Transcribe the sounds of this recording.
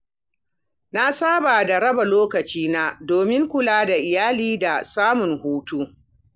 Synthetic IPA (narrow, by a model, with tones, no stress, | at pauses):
na˦saː˦baː˨da˨ɾɐ˦ba˨loː˦kɐ˨t͡ʃiː˦naː˦doː˨mɪ˦ŋkʷʊ˦laː˦da˨ʔɪ˨jaː˦liː˦da˨saː˦mʊ˨ŋhuː˦tuː˦